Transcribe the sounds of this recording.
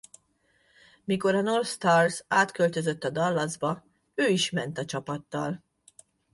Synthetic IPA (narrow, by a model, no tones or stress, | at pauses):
miko̞ɾɒnorst̪arzaːt̪kø̞lt̪ø̞zøt̪ːɒd̪ɒlːɒzbɒ | øːiʃmɛn̪t̪ɒt͡ʃɒpɒt̪ːɒl